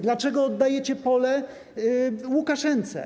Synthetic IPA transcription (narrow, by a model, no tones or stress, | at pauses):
d̪lat͡ʂɛɡɔːd̪ːajet͡ɕɛpɔlɛ | wukaʂɛnt̪sɛ̰